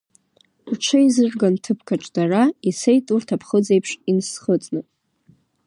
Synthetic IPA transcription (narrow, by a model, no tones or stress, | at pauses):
rʈ͡ʂʰajzɨrɡantʰɨpʰkʰaʈ͡ʂʼd̥araisejtʼurtʰapʰχəd͡ze̞jpʰʂinsχət͡sʼnɨ